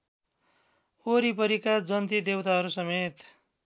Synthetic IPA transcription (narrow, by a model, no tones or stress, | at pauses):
oɾipʌɾikad͡zʌnt̪id̪ewt̪aɦʌɾusʌmet̪